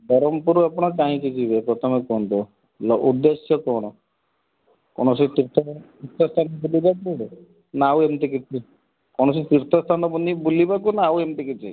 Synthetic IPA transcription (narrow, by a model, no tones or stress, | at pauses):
b̪ɔɾɔmpuɾuapɔɽ̃ɔt͡ʃaɦĩkid͡ʒibepɾɔt̪ʰɔmekɔnt̪ɔ | lɔud̪ːesjɔkɔɽ̃ɔ | kɔɽ̃ɔsit̪iɾt̪ʰɔt̪iɾt̪ʰɔst̪ʰanɔbulibaku | nawemt̪ik̬it͡ʃʰi | kɔɽ̃ɔsit̪iɾt̪ʰɔst̪ʰanɔbunibulibak̬unaːwemt̪ikit͡ʃʰḭ